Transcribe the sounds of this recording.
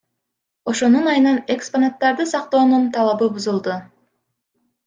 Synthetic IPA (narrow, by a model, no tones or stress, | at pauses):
o̞ʃo̞nunɑjɯnɑne̞ksponat̪ːɑɾd̪ɯsɑq̚t̪o̞ːnunt̪ʰɑlˠɑβɯbuzulˠd̪u